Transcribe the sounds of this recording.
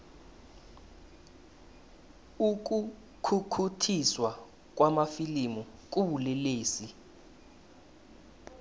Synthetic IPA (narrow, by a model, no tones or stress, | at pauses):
uk̬u | kʰukʰutʰiswa | k̬ʼwamafilimuk̬ʼuɓulɛleːsi